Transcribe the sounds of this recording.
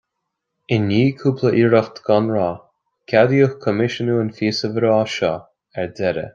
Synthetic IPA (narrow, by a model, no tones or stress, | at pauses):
ɪnːiːkʰuːpʰləʔiːɾɔft̪ɡɔnɹɔː | kʰʲad̪iuxkʰɔmɪʃənuənfiːsəvəɾoːʃɔː | ɛɹd̪ɛɾə̰